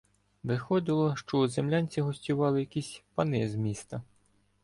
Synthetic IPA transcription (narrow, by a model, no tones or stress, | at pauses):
ʋɪxɔd̪ɪlˠɔʃt͡ʃɔuzemlʲanʲt͡sʲiɦɔsʲtʲʊʋɑlˠɪjɐkisʲpɐnɪzmʲist̪ɐ